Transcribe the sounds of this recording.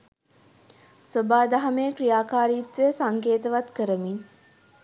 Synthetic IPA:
sobaːd̪aɦamekrijaːkaːɾijːt̪ʋeəsaŋkeːt̪əʋat̪kəɾəmin

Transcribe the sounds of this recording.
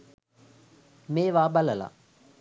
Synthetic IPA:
meːʋaːbaləla̰

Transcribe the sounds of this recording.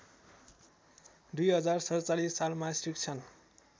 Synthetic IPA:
d̪ujɦʌd͡zarsʌɾt͡salisːalmasrikt͡sʰʌn

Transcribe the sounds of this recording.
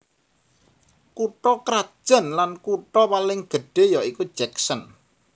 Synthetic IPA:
kuʈɔkɾad̥ʒ̥ə̤nlankuʈɔpalɪŋɡ̥ə̤ɖ̥e̤jɔikud̥ʒ̥ɛksən

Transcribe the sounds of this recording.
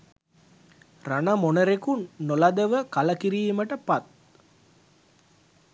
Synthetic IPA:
ranəmonəɾekunːolad̪əʋəkaləkiɾiːməʈəpat̪̚

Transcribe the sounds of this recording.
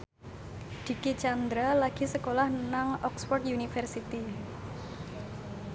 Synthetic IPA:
d̪̥i̤kit͡ʃand̪ɾalaɡ̥i̤səkolahnaŋɔkspɔrt̪junifɛrsit̪i

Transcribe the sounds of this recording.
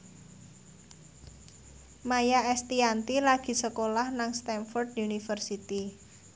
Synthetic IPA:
majaɛst̪iant̪ilaɡ̥i̤səkolahnaŋst̪ɛnfɔrd̪unifərsit̪i

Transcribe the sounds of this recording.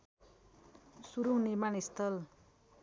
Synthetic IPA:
suɾuŋnirmanist̪ʌl

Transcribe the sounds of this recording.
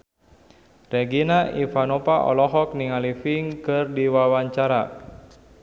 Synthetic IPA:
rɛɡinaifanopaʔɔ̰lɔɦɔk̚niŋalifiŋkɨrdiwawaɲt͡ʃaɾa

